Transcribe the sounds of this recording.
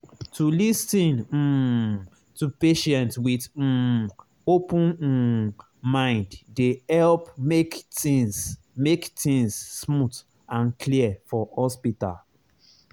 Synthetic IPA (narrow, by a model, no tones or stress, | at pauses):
tʰulistĩn̩ | tupeʃɛ̃ntwið̩ | opũn̩ | mãɪ̃nddehɛlpmekĩs | mektĩŋsːmut | ãnkʰliəfɔhɔspita̰l